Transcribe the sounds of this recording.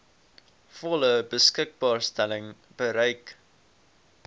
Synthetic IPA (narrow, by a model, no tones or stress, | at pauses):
fɔləbəskək̚bɑːrstɛlɪŋ | b̥əɾəjk